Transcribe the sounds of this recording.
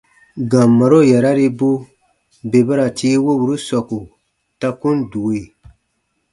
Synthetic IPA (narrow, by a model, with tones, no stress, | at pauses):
ɡã˨mːa˨ɾo˦˨ja˨ɾa˦ɾi˦bu˦ | be˨ba˦ɾa˨tʰi˦wo˦bu˨ɾu˦sɔ˨ku˨ | ta˦kũ˦ndu˨e˦˨